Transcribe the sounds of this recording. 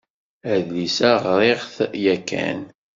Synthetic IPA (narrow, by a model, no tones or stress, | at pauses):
æðlisæʁɾˤeʁθjækːæ̰n